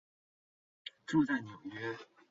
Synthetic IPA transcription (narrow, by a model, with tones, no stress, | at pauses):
ʈ͡ʂu˥˧t͡sa˥˩ɪnjo˨˩ʊɥɛ˥